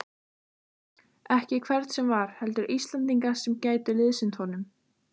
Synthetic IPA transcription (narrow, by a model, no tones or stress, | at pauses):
ɛhcɪkʰvɛɾt̪sɛmvaɾ̥hɛlt̪ʏɾʔist̪lant̪iŋkasɛmcaːjt̪ʏlɪðsɪnt̪hɔnʏm